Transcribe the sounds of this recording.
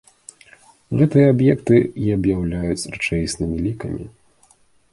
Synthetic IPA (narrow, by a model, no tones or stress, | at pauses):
ɣɛt̪ɨjɐabjɛkt̪ɨiɐbjawlʲajut͡sʲrɨt͡ʂɛjsnɨmʲilʲikɐmʲḭ